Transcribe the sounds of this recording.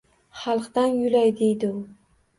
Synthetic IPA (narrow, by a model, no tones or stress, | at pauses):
χɑlˠqd̪anjʊlajd̪e̞jd̪ɪʊ